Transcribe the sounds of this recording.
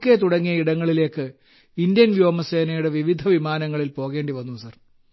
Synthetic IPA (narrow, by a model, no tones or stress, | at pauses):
kːe̞t̪uɽɐŋːijɐiɽɐŋːɐɭile̞ːkːɨ | indjɐnʋjo̞ːmɐseːnɐjuɽe̞ʋiʋid̪ʱɐʋimaːnɐŋːɐɭilpo̞ːɣe̞ːɳɖiʋɐnːusɐr